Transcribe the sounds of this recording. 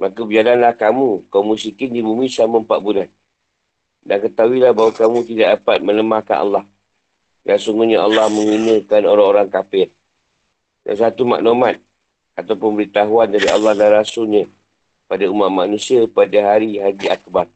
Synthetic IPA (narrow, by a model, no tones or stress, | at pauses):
makəbəd͡ʒalanlahkamukawmusikɪndibumĩsaməmpaʔbunan̚ | dankət̪awilahbaɦwakamũt̪idaʔ̚dapat̪̚mə̃ləmahkanʔa̰lːah | dansuŋɡuɲaa̰lːɑhmə̃ŋinəkanoɾaŋoɾaŋkapɪr | da̰nsat̪uma̰ʔnomat̪̚ | at̪awpənmbəɾit̪aɦuandaɾia̰lːɑhdanɾasʊlɲa | padaumaʔmanũsiapadaɦaɾiɦad͡ʒiakbat